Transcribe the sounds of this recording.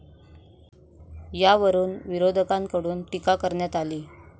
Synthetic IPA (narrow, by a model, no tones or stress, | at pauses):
jaʋəɾuːnʋiɾod̪ʱəkãŋkəɽuːnʈikakəɾɳjat̪aliː